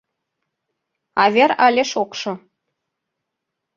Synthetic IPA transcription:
ɑβʲeɾɑlʲeʃokʃɤ̆

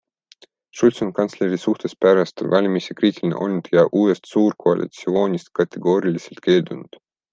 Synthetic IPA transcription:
ʃulʲt̪sonkɑnsle̞ɾisuht̪espæɾɑst̪vɑlʲmisekriːt̪ʲilinḛʔo̞lnud̪̥jɑʔuːest̪suːrkoɑlʲʔḭt̪sio̞ːnʲist̪kɑt̪ʰːeɡ̥o̞ːɾiliselt̪̚ke̞ːld̪̥unud̪̥

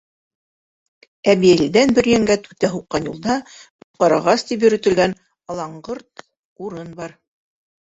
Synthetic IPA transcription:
æβiælid̪ænbɵ̆ɾjæŋɡæt̪ʉt̪æɦuqːɑnjulˠd̪ɑŏt̪̚qɑɾɑ̆ʁɑst̪ip̬jɵ̆ɾɵ̆t̪ɘ̆lɡæn | ɑlˠɑɴɢɤɾt̪̚ | uɾɤnbɑɾ

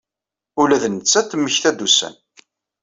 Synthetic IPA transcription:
ʊlæðnət͡sːæt̪ːmːəçθæd̪ːusæ̰n

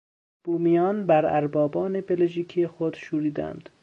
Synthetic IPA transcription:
b̥uːmijɒːnbæɾæ̰ɾbɒːbɒːne̞be̞lʒiːkʰiexod̪̥ʃuːɾiːd̪æ̰nd̪̥

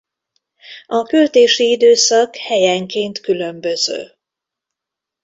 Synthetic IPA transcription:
ɒkylt̪eːʃiid̪øːsɒkhɛjɛŋkeːnt̪kylø̞mbø̞zø̰ː

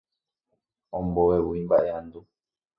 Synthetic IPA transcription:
ɔmbɔwɛwuimbaʔɛandu

